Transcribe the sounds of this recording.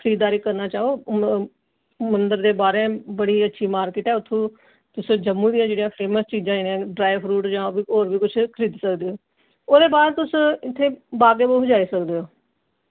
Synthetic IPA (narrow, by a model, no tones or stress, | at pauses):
kʰəɾiːd̪aːɾiːkəɾnaːt͡ʃaːoː | mənd̪əɾd̪eːbaːɾẽːbəɽiːətːʃʰiːmaːɾkɪːʈɛːʊt̪ʰːõː | t̪ʊsd͡ʒəmːũːd̪ɪjãːd͡ʒeːɽijãːpʰeːməst͡ʃiːd͡ʒãːiːnãːɖɾaːɪpʰɾuːʈd͡ʒãːbiːoːɾbiːkʊt͡ʃʰkʰəɾiːd̪səkd̪eːoː | oːd̪eːbaːd̪t̪ʊsɪt̪ʰːeːbaːɡeːboːɦʊd͡ʒaːiːsəkd̪eːoː